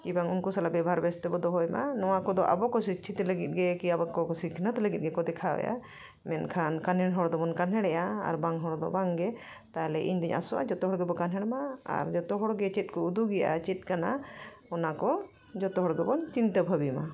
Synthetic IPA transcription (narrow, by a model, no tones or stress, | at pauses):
kibaŋunkusalabɛbʱaɾbɛst̪ɔbɔd̪ɔɦɔjma̰nɔwakɔd̪ɔʔa̰bɔkɔsit͡ʃʰit̪ɛləɡit̪̚ɡɛkiabɔkɔɔsikʰnət̪ləɡit̪̚ɡɛkɔd̪ɛkʰaɛ̰ja̰ | mɛnkʰankanɦɛɽɦɔɽd̪ɔbɔnkanɦɛɽɛjaa̰ɾbaŋɦɔɽd̪ɔ̰baŋɡɛ | t̪aɦlɛʔḭɲd̪iɲa̰sɔʔa̰d͡ʒɔt̪ɔɦɔɽɡɛbɔkanɦɛɽmaa̰ɾd͡ʒɔt̪ɔɦɔɽɡɛt͡ʃɛt̪̚kɔud̪uɡɛʔa̰t͡ʃɛt̪̚ˀkana | ɔnakɔ | d͡ʒɔt̪ɔɦɔɽɡɛbɔnt̪int̪əbʱəbima